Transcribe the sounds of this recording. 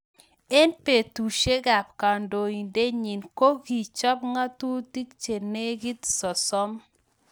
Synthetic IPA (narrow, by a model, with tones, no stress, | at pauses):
e˦npe˨tu˨ʃe˦ɡa˨pka˨ndo˨i˨nde˦ɲi˨nko˦ɡi˨t͡ʃɔ˦pŋa˦tu˦ti˦kt͡ʃe˨ne˦ɡi˦t̪sɔ˨sɔ˦m